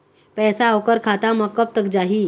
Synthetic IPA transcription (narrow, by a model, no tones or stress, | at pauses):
pɛsaːʋkəɾkʰat̪aməkːəp̚t̪ək̚d͡zaɦi